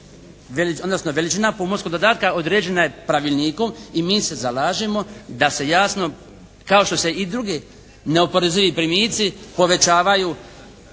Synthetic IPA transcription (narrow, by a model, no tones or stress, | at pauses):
ʋeliod̪nosnoʋe̞lit͡ʃinapomoskoɡd̪od̪aːt̪̚kaod̪ɾeːd͡ʑe̞naje̞pɾaʋilʲˠniːkomimiːse̞zalaːʒimo̞d̪ase̞jaːsno̞ | kao̞ʃt̪o̞se̞id̪ɾuɡe | ne̞opoɾeziʋipɾimiːt̪sipo̞ʋe̞t͡ʃaːʋajuː